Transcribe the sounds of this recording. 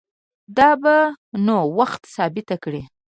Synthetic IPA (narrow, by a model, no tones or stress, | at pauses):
d̪ɑbanowaxt̪sɑbɪt̪akɽi